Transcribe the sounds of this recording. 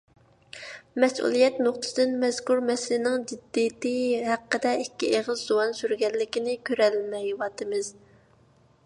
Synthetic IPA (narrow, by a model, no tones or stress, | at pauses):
mɛsʔṵlˠijɛt̪noχt̪ʰɨ̥sd̪ɪnmɛz̥kuɾmɛsɪlɪnɪŋd͡ʒid̪ːijt̪ɪɦæqːəd̪ɛikʲːieʁəzːuwɑnsyɾɡʲɛlːɪkʲinɪkʲʰøɾɛlmɛjwɑːt̪ɨmɪz̥